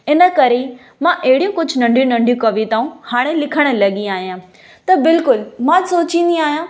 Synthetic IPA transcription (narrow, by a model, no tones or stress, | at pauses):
ɪnə̆kɐɾe | mãʔɐɦɪɽijũkʊd͡ʑʱnɐ̃ɳɖʱijũnɐ̃ɳɖʱijũkɐʋit̪aːũhaːɽ̃elɪkʰəɽ̃ə̆lɐɠĩaːɦijãː | t̪ɐbɪlkʊlmãsoːt͡ɕĩːn̆d̪iaːɦijãː